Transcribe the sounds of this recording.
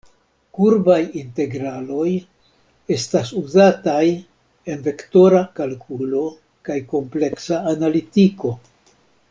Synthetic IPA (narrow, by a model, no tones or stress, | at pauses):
kuɾbajinte̞ɡɾalo̞j | e̞stasuzataj | e̞nve̞kto̞ɾakalkʰulo̞ | kajko̞mple̞ksaːnalitiko̞